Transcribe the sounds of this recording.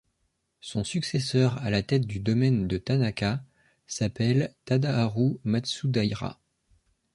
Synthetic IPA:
sɔ̃syksɛsœʁalat̪ɛt̪̚d̪yd̪ɔmɛnd̪ət̪anakʲa | sapɛlt̪ad̪aːʁumad̪sud̪ajʁa̰

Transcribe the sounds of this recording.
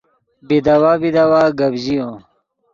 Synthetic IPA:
bid̪ɐwaːbid̪awaːɡɐbʑijõː

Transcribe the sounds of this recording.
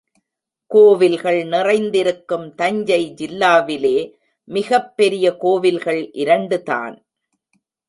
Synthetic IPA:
koːʋɪlɣɐɭnɪrɐɪnd̪ɪɾɯkːɯmt̪ɐɲd͡ʒɐɪd͡ʒɪlːaːʋɪleː | mɪɣɐpːɛɾɪjɐkoːʋɪlɣɐɭʔɪɾɐɳɖɯta̰ːn

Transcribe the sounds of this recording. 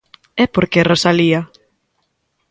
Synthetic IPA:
ɛpoɾkerosalia

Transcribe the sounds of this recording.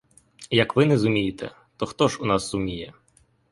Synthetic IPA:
jɐkʋɪnɛzʊmʲijit̪ɛ̰ | t̪ɔxt̪ɔʒunɑsːʊmʲijɛ

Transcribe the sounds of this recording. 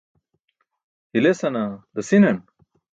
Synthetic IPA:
hilesɐnad̪ɐsinen

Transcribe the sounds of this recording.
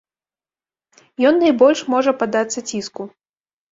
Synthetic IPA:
jɔnːajbɔlʲʂmɔʐɐpad̪at̪sːɐt͡sʲisku

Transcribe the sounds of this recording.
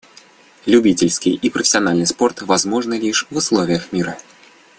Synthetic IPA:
lʲʊbʲitʲɪlʲskʲijipɾəfʲɪ̥sʲɪɐnalʲnɨjspo̞rt̪vɐzmoʐnəlʲiʂvʊslˠovʲɪjəxmʲiɾə

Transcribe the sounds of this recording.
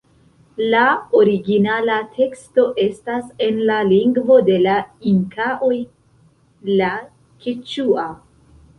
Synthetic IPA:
laoɾiɡinalatʰe̞ksto̞ʔe̞stase̞nlaliŋɡvo̞de̞laiŋkaʔo̞j | la | kʰit͡ʃua

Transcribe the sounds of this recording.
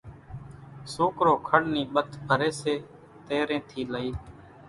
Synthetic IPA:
soːkɾoːkʰəɽniːɓət̪ʰbʱəɾeːseː | t̪eːɾẽːt̪ʰiːləiː

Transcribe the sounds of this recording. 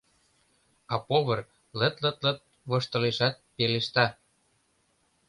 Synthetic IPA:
ɑpoβɤ̆r | lə̆t̪lə̆t̪lə̆t̪̚ | βɤ̆ʃt̪ɤ̆leʃɑt̪̚peleʃt̪ɑ

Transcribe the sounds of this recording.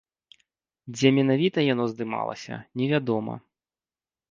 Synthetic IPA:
d͡zʲɛmʲɛn̪avʲit̪ɐjan̪ɔzd̪ɨma̰lˠɐ̰sʲɐ̰nʲɛvʲad̪ɔmɐ̰

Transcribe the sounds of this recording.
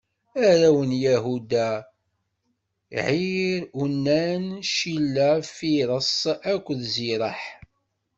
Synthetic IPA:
æɾæwənjæɦud̪æ | ʕiɾunːænʃilːæfiɾˤəsˤækʷːðziɾˤəħ

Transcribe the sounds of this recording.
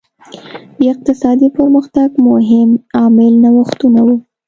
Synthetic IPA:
d̪əɪq̚t̪ɪsɑd̪ipəɾməxt̪aɡmʊɦɪmɑmɪlnawaxt̪unawu

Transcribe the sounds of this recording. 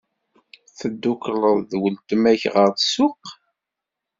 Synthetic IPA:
θəd̪ːukləðˤðwəlt̪əmæçʁəɾtsʊq

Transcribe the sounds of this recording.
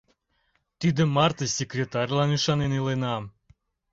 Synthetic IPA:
t̪id̪ə̆mɑrt̪əsʲekɾʲet̪ɑrʲlɑnyʃɑnenilenɑ

